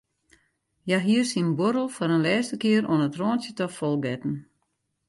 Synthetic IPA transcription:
jaɦiərsinboɾəlˠfɔɾənlɛːstəkɪəɾoənətroːntjətɔfɔlˠɡɛtn̩

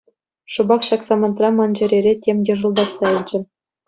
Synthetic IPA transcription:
ʂɤ̆bɑkɕɑksɑmɑnt̪rɑmɑnd͡ʑɘ̆ɾʲeɾʲetʲemʲjɤ̆ʐɤ̆lˠbɑt̪sɑilʲd͡ʑɘ̆

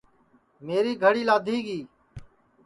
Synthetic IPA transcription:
meːɾiːɡʱəɽiːlaːd̪ʱiːɡiː

